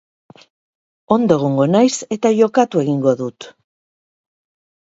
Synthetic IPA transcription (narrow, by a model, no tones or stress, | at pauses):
o̞nd̪oeɣ̞oŋɡo̞najse̞t̪aʝo̞kat̪ue̞ɣiŋɡo̞ðut̪